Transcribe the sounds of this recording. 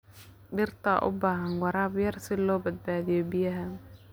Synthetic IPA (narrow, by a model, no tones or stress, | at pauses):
ɖɪrt̪ʰa̰ʔʊ̰baːɦɐnwɑɾaːbjɐrsɪlɔːbɐd̪̚baːðɪjɔbɪjɐɦɐ